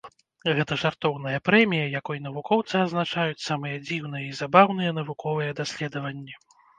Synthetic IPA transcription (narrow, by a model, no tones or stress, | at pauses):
ɣɛt̪ɐʐart̪ɔwn̪ɨjɐpɾɛmʲijɐjakɔjin̪ɐvukʰɔwt̪sɨɐznat͡ʂajut͡sʲsamɨjɛd͡zʲiwn̪ɨjɛizabawnɨjɛnɐvukʰɔvɨjɛd̪asʲlʲɛd̪ɐvɐnʲːɛ